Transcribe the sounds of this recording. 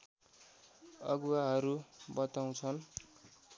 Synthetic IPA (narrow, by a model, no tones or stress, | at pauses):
ʌ̰ɡuwaɦʌɾubʌt̪aw̃t͡sʰʌn